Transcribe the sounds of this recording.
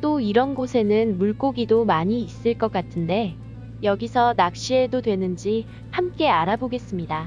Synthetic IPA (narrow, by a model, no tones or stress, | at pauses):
t͈oiɾʌnɡosʰe̞nɯnmuɭk͈oɡidomaɲiːs͈ɯɭk͈ʌk͈atʰɯnde̞ | jʌɡisʰʌnak̚ɕ͈ie̞dodwe̞nɯnd͡ʑi | hamk͈e̞aɾaboɡe̞s͈ɯmɲida